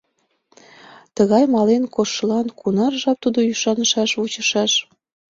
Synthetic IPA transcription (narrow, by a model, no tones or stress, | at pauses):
t̪əɣɑjmɑlenkoʃəlɑnkunɑrʒɑp̚t̪ud̪ojyʃɑnəʃɑʃut͡ɕəʃɑʃ